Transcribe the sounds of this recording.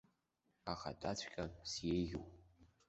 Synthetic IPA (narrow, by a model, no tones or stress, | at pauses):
aχa̰tʼat͡ɕʷʰkʲʼansjejɣʲuwpʼ